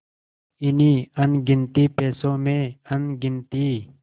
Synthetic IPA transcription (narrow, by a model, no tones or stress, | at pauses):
ɪniːənɡɪnt̪iːpeːsõːmẽːənɡɪnt̪iː